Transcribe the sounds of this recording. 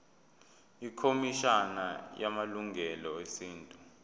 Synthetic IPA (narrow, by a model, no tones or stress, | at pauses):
ikʰomiʃana̰jamaluŋɡʱɛlɔesiːntʼu